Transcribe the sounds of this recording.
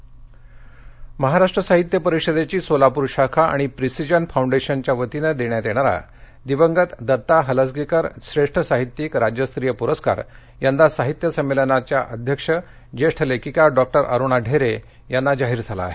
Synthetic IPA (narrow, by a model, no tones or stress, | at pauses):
məɦaɾaʂʈɾəsaɦit̪jəpəɾikʂəd̪et͡ɕiːsolapuɾɕakʰaʔa̰ɽ̃ipɾisid͡ʑənfauɳɖeɕənt͡ɕjaʋət̪inəd̪eɳjad̪eɽ̃aɾa̰ | d̪iʋəŋɡət̪d̪ət̪ːaɦələsɡikəɾɕɾeʂʈʰəsaɦit̪jikɾad͡ʑjəst̪ɾijəpuɾəska̰ɾ | jand̪asaɦit̪jəsəmːelənat͡ɕjaʔəd̪ʱjəkʂə | d͡ʑeʂʈʰəlekikaɖɔk̚ʈəɾʔə̰ɾuɳaɖʱeɾe | janːad͡ʑaɦiːɾd͡zʱala̰ɦe